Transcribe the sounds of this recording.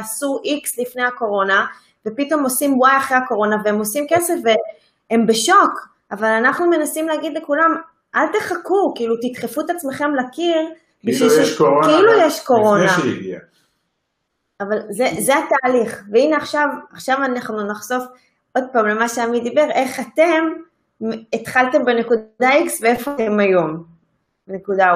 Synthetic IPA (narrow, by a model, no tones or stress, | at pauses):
asuʔikslifnejako̞ʁo̞na | vepit̪o̞mo̞simwajaχʁejako̞ʁo̞naveemo̞simke̞se̞fve | embeʃo̞k | avalanaχnume̞nasimleaɡid̪le̞kulam | ʔalt̪eχakukiilut̪it̪χefut̪at͡smeχe̞mlakiʁ | biʃvilkkeilujeʃko̞ʁo̞naɡia | avalzezeat̪aːliχveineaχʃavaχʃavanaχnunaχso̞f | o̞d̪̚paːmle̞maʃeamid̪ibe̞ʁe̞χat̪e̞m | et̪χalt̪e̞mbene̞kud̪d̪aiksveefoatemajo̞m | bene̞kud̪a